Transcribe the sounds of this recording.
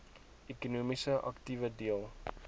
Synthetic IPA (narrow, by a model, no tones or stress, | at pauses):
ekunuːmisəʔɐ̰ktivədiəlˠ